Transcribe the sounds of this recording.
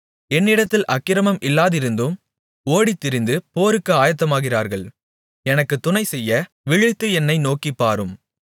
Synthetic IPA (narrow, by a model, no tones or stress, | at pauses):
ɛnːɪɽɐt̪ːɪlʔɐkːɪɾɐmɐmʔɪlːaːðɪɾɯnd̪ɯm | oːɽit̪ːɪɾɪnd̪ɯpoːɾɯkːɯaːjɐt̪̬ːɐmaːɣɪraːɾɣɐɭ | ɛnɐkːɯt̪ːʊnɐɪsɛjːɐ | ʋɪɻɯt̪ːɯɛnːɐɪnoːkipːaːɾɯm